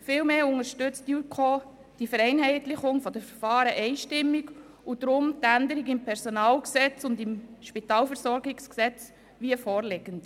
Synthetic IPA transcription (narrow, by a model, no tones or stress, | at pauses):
fɪlmeːʊŋəɾʃtʏt͡stukʰoː | d̥ifəɾɛɪnɦɛɪtlɪχʊŋfɔd̥əfəɾfɑːɾəʔɛɪʃtɪmːiɡ | ud̥ɾʊmtændəɾiɡɪmpʰɛɾsɔnɑːlksɛt͡sʊndɪmʃpitɑːlfəɾsɔɾɡɪksksɛt͡s | ʋiəfɔːɾlɪɡənt